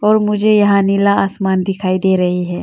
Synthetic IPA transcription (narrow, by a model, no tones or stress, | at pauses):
ɔːɾmʊd͡ʒʱejɐɦãnɪlaaːsmaːnd̪ɪkʰaːid̪eːɾɐɦiɦɛː